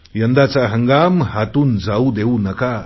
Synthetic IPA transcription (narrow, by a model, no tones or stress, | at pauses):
jand̪at͡saɦaŋɡamhat̪und͡zawd̪ewnaka